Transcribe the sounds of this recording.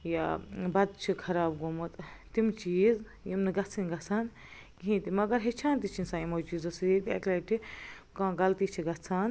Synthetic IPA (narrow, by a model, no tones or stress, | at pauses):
jabɐd̪̚t͡ʃʰikʰɐɾaːbɡomɐt̪t̪imt͡ʃiːz | jimnɨɡɐt͡sʰinɡɐt͡sʰaːn | ɡiɦĩːt̪imɐɡɐɾɦet͡ʃʰaːnt̪it͡ʃʰinsaːjimot͡ʃiːzɐsit̪ɐ̰klɐʈʰi | kãːɡɐlt̪iːt͡ʃʰiɡɐt͡sʰaːn